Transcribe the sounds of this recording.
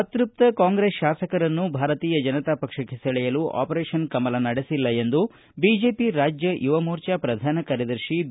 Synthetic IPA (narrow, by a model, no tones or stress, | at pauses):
ɐt̪ɾup̚t̪ɐkaːŋɡɾesʃaːsɐkɐɾɐnːubʱaːɾɐt̪iːjɐd͡ʒɐnɐt̪aːpɐkʂɐkesɐɭɛjɐluʔa̰ːpɐɾeːʂɐnkɐmɐlɐnɐɽesilːɐe̞nd̪u | bid͡ʒe̞ːpiɾaːd͡ʒjɐjuʋɐmuːɾt͡ʃapɾɐd̪ʱaːnɐkaːɾjɐd̪ɐɾʃi